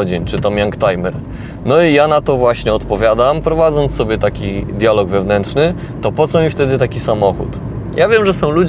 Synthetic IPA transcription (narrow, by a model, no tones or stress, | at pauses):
d͡ʑint͡ʂɘt̪ɔmjaŋkt̪ajmɛɾ | nɔijanat̪ɔvwaɕɲɛɔt̪pɔvʲjad̪ampɾɔvad̪zɔnt̪ssːɔbʲɛt̪akʲid̪ʲjalɔɡvɛvnɛntʂnɘ | t̪ɔpɔt̪sɔmʲift̪ɛd̪ɘt̪akʲisamɔxṵt̪ | jʔavʲjɛmʐɛsɔ̃w̃lud͡ʑ